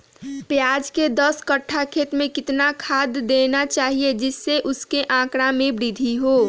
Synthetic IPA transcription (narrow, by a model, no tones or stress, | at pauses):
pjaːd͡ʒked̪əskəʈʰːakʰeːt̪mẽkɪt̪nakʰaːd̪ːeːnat͡ʃaːɦied͡ʒɪsːeʔʊskeʔãːkɽamẽbɾɪd̪ʱiɦoː